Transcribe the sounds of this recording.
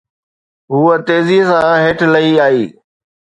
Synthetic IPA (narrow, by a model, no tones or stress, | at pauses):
ɦuːət̪eːzisãɦeːʈʰlɐiaːiː